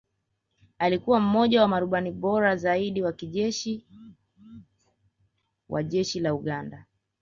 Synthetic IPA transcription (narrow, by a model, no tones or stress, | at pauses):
alikuwam̩mɔʄawamaɾuɓaniɓɔɾazaiɗiwakiʄɛʃi | wʔa̰ʄɛʃilauɠanda